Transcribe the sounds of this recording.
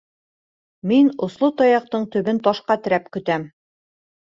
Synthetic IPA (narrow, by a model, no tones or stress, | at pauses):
minŏslˠot̪ɒjɑq̚t̪ɤɴt̪ɵ̆βɘnt̪ɒʃqɑt̪ɘ̆ɾæpkɵ̆t̪æm